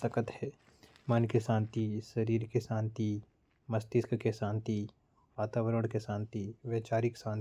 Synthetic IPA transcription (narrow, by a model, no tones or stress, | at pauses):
səkət̪hɛ | mɐnkeʃãːnt̪iʃɐɾiːɾkeʃãːnt̪i | mɐst̪ɪskkeʃãːnt̪i | ʋaːt̪aːʋəɾəɽ̃keʃãːnt̪iʋeːt͡ʃaːɾɪksãːn